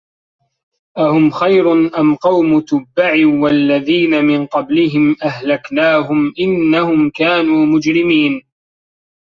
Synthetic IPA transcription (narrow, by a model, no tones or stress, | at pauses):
ʔahʊmxajɾʊnʔamqɑwmʊt̪ʊbːaʕiwalːaðiːnamɪnqɑblɪɦɪmʔaɦlaknaːɦʊmʔɪnːahʊmkaːnuːmʊd͡ʒɾɪmiːn